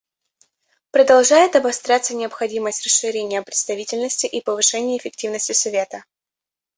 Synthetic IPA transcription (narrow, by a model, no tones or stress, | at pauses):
pɾəd̪ɐlˠʐajɪt̪ɐbɐst̪ɾʲat̪sːənʲɪəpxɐdʲiməsʲtʲrəsʂɨɾʲenʲɪjəpɾʲɪt̪st̪ɐvʲitʲɪlʲnəsʲtʲɪʔipəvɨʂɛnʲɪjəɪfʲɪktʲivnəsʲtʲɪsɐvʲe̞t̪ə